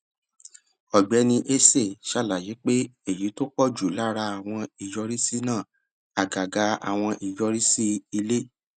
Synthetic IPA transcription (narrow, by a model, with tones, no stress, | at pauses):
ɔ˨ɡ͡bɛ˨˦nĩ˧ʔe˦se˦˨ʃa˦˨la˨ji˨˦k͡pe˦e˦˨ji˨˦to˦k͡pɔ˦˨d͡ʒu˨la˦ɾa˧a˨w̃ɔ̃˧i˨jɔ˧ɾi˦si˦nãː˦˨ | a˨ɡa˨ɡa˨˧a̰˨w̃ɔ̃˧ʔi˨jɔ˧ɾi˦si˦i˧le˦